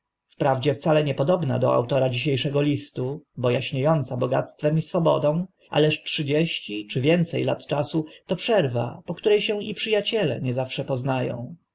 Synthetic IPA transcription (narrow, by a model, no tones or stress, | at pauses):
fpɾavd͡ʑɛft̪salɛɲɛpɔd̪ɔbna̰d̪ɔ̰a̰wt̪ɔɾad͡ʑiɕejʂɛɡɔlʲist̪ubɔjaɕɲejɔnt̪sabɔɡa̰t̪st̪fɛmisfɔbɔ̰d̪ɔ̃w̃ | ʔa̰lɛʂʈʂɘd͡ʑeɕt͡ɕit͡ʂɘvʲjɛnt̪sɛjla̰t̪t͡ʂasut̪ɔpʂɛɾva̰pɔkt̪uɾɛjɕɛ̃ipʂɨjat͡ɕɛlɛ̰ɲɛzafʂɛpɔznajɔ̰̃w̃